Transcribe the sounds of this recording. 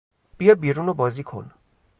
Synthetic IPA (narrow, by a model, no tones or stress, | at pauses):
pijɔbiɾunobɔzikʰo̰n